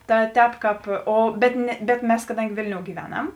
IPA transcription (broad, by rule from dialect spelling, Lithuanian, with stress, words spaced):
ˈtɐ ˈtʲɛːp ˈkɑːp ˈoː bʲɛt nʲɛ bʲɛt ˈmʲɛs kɐˈdɐŋʲɡʲɪ ˈʋʲeːlʲnʲoːʊ ɡʲiːˈʋʲæːˌnɐm